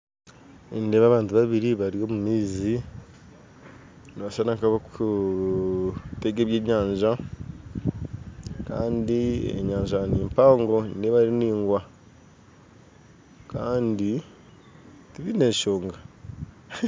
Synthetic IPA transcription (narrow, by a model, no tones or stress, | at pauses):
indeβaβaːntuβaβiɾiβaɾio̞ːmumiːzi | niβaʃanakaβaku | te̞ɡe̞βje̞ːɲaːɲʒa | ka̰ːndiḛɲaːɲʒaniːmpaːŋɡo̞ndeβaɾiniːŋɡwa | kaːndi | tiβine̞ːʃo̞ːŋɡa